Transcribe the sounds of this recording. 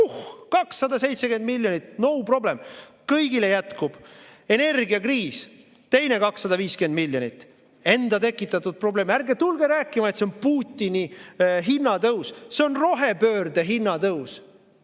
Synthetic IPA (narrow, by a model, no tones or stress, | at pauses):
uhkɑksːɑd̪ɑse̞jt̪se̞ke̞nd̪milʲjo̞nʲit̪ˑno̞wpro̞ble̞m | kɤjɡile̞jæt̪kub̥e̞ne̞rɡiɑkriːs | t̪e̞jne̞kɑksːɑd̪ɑviːske̞nd̪milːjonʲit̪ːˑ | e̞nd̪ɑt̪e̞kːˑit̪ːˑɑt̪ːˑud̪̥̚pro̞ble̞ːmærɡet̪ulɡe̞ɾæːkːˑimɑet̪seonpuːt̪ʲːiniɦinːɑt̪ɤwsse̞onro̞ɦe̞pø̞ːrd̪e̞ɦinːɑt̪ɤws